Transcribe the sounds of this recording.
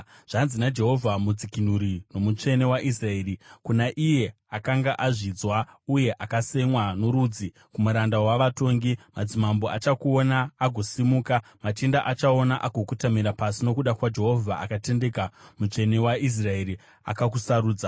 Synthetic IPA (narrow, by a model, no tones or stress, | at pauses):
ʐ̥anzinad͡ʒe̞ɦo̞vʱamud͡zikin̤uɾino̞mut͡ʂe̞ne̞waʔis̬rae̞ːrikunaʔije̞ | akaŋɡaʔaʐid͡zwauje̞ʔakase̞mwanoɾuːd͡zi | kumuɾandawaʋato̞ŋɡimad͡zimambo̞at͡ʃakuo̞naːɡʱo̞simuːkamatindaʔat͡ʃao̞naʔaɡʱokutamiɾapasino̞kuɗakwad͡ʒe̞ɦo̞vʱaʔakate̞nde̞kamut͡ʂe̞ne̞waʔis̬rae̞ɾi | a̰kak̬usaɾuːd͡za